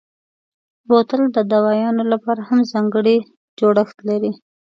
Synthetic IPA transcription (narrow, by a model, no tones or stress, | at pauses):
ɾot̪əld̪əd̪awɑjɑnolapɑɾahamzɑŋɡəɽi | d͡ʒoɽəxt̪laɾi